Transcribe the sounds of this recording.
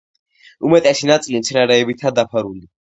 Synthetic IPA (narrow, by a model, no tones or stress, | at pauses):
umɛt̪ʼɛsinat̪sʼilimt̪sʰɛnaɾɛːbit̪ʰad̪apʰaɾuli